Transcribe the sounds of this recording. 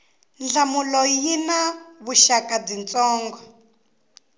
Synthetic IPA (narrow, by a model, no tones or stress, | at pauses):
nd͡ɮamulɔjinaβuʃakab͡ʐint͡sɔːŋɡɔ